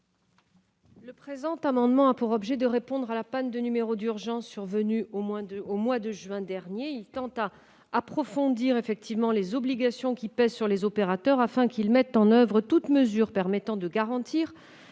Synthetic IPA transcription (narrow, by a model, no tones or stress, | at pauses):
ləpχezɑ̃t̪amɑ̃d̪mɑ̃apuʁɔbʒɛd̪əʁepɔ̃d̪ʁalapand̪ənymeʁod̪yʁʒɑ̃sːyʁvənyomɛ̃omwad̪əʒɥɛ̃d̪ɛʁnjeilt̪ɑ̃t̪aː | pχɔfɔ̃d̪iʁefɛk̚t̪ivmɑ̃lezɔbliɡasjɔ̃kʲipɛzsyʁlezɔpeʁat̪œʁafɛ̃kilmɛt̪ɑ̃nœvʁət̪ut̪məzyʁpɛʁmɛt̪ɑ̃d̪əɡaʁɑ̃t̪iːʁ